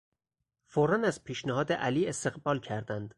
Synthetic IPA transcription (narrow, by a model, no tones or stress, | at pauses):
foɾɒːnæzpʰiːʃneɦɒːd̪eʔæliːe̞st̪e̞ɣbɒːlcʰæɾd̪ænd̪̥